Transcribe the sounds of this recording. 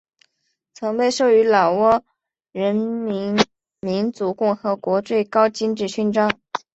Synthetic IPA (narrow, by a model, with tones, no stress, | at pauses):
t͡sʰɤ˧˥ŋpe˥˧ɪʂo˥˩ʊy˧˥lɑ˨˩ʊwɔ˥ | ɻə˧˥nmi˧˥ | mi˧˥nt͡su˧˥kʊ˥˩ŋxɤ˧˥kwɔ˧˥t͡swe˥˩ɪkɑ˥ʊt͡ɕi˥nʈ͡ʂɻ̩˥˩ɕy˥nʈ͡ʂɑ˥ŋ